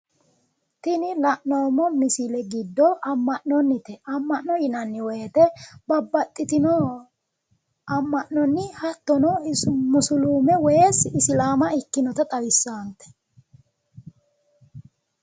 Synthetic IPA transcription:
t̪ɪnɪlɐʔnoːmːɔmɪsɪlɛɡɪd̪ːɔʔɐmːɐʔnɔnːɪt̪ɛʔɐmːɐʔnɔjɪnɐnːɪwɔjɛt̪ɛbɐbːɐt̪ʼːɪt̪ɪnɔ | ɐmːɐʔnɔnːɪhɐt̪ːɔnɔmʊsʊluːmɛwɔjesɪsɪlaːmɐɪkːɪnɔt̪ɐt̪ʼɐɾɪsːaːnt̪ːɛ̥

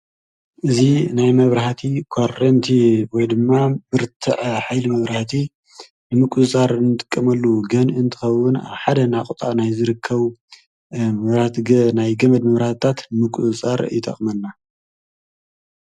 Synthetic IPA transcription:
ʔɨzinajmɐβɾaht̪ʰikʰoɾɐnt̪ʰiwɔjd̪ɨmːabɨɾt̪ʰɨʔħajlimɐβɾaht̪ʰi | nɨmɨkʷʼut͡sʼaɾnɨt̪ʼɨ̥kʼːɐmɐlːuɡɐnɨnt̪ʰɨ̥xɐwːʊna̰βħad̪ɐnakʼut̪ʼa̰najzɨɾɨkʰːɐβ | mɐβɾaht̪ɡɐnajɡɐmɐd̪mɐβɾaht̪t̪ʰat̪nɨmɨkʼuzt͡sʼaɾjɪt̪ʼɐ̰χʼmɐnːa

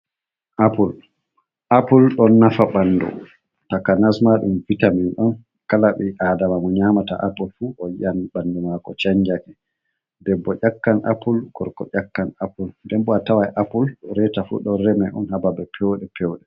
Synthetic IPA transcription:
ʔapul | ʔapulɗɔnːafaɓanːdɔ̰ | takanasmaɗumvitaminɗɔn | kalaɓɛʔadamamɔɲamata̰ʔapulfuʔɔjanbanːdɔmakɔt͡ʃaɲd͡ʒakɛ | dɛbːɔʔʲakːanʔa̰pulɡ̥ɔɾkɔʔakːanapuldɛmbɔatawajʔapulɗɔɾɛtafṵɗɔɾɛmɛʔɔnhababɛpʰɛwɗɛpʰɛwɗɛ

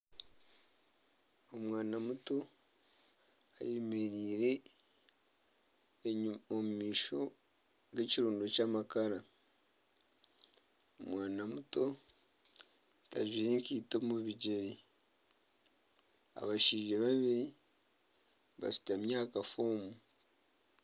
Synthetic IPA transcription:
omwaːnamuto̞ | a̰jemeɾiːɾe̞ | omumiːʃo̞ | ɡe̞ciɾuːndocamakaɾa | omwaːnamuto̞ | ta̰ʒiːɾeŋkiːto̞muβiɟeɾi | a̰βaʃiːʒeβaβiɾi | βa̰si̥tamjaːkafoːmu

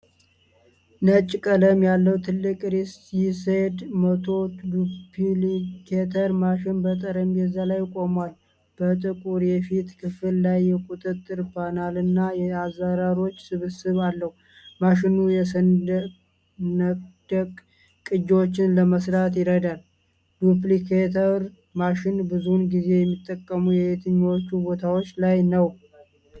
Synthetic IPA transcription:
nət͡ʃʼkʼələmjalːəwt̪ʰɨlːɨkʼɾesised̪mət̪ʰo̞upʰilikʰet̪ʰəɾmaʃɪnbət̪ʼəɾəmbɛzːalajːkʼo̞mwal | b̥ət̪ʼɨkʼuɾjɛfit̪kʰɨfɨlːajːɛkʼut̪ʼɨt̪ʼːɨɾpʰanalɨnːajɛazːaɾaɾio̞t͡ʃːsɨβɨsɨβalːəhu | maʃɪnujɛsən | nəd̥̪əkʼ | kʼːɨd͡ʒot͡ʃːɪnləməsɾat̪jɪɾəd̪al | d̪uplikʰet̪ʰəɾ | maʃɪnbɨzunɡize̞jɛmːit̪ʼːəkʼːəmujɛet̪ʰɨɲːo̞t͡ʃːubo̞t̪ʰawo̞t͡ʃːlajnəw

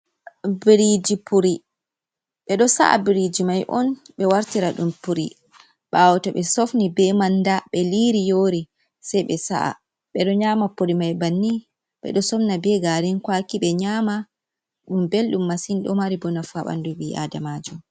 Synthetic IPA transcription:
bɾid͡ʒipuɾi | ɓɛɗɔsa̰ʔa̰bɾid͡ʒimajʔɔ̰n | ɓɛwaɾtiɾaɗumpuɾi | ɓawɔtaɓɛsofnibɛmandaɓɛliɾijoːɾi | sɛjɓɛsa̰ʔa̰ | ɓɛɗɔɲaːmapuɾimajbanːi | ɓɛ̰ɗɔsɔfnabɛɡaɾinkwakiɓɛɲaːma | ɗumbelɗumːasinɗɔmaɾibɔnafaɓa̰ndubia̰damad͡ʒɔ

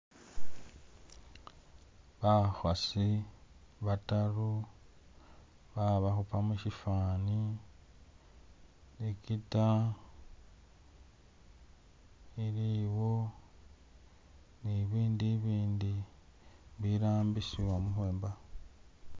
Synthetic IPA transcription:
βaxwasi | βataru | βaβaxupamuʃifaːni | nikita | iɾiwo̞ | niβiːndiβiːndi | βiɾaːmbisiwamuxweːmba

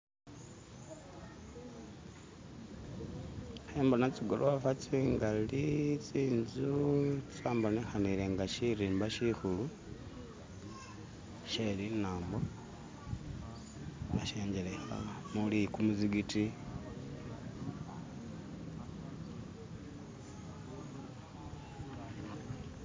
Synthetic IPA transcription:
heːmbonat͡siɡolʔoafat͡siŋɡalit͡siːnzut͡saːmbonexaniɾeŋɡaʃiɾiːmbaʃixulu | ʃelinaːmbo | naʃeːɲd͡ʒelexa̰lamulikumuziɡiti

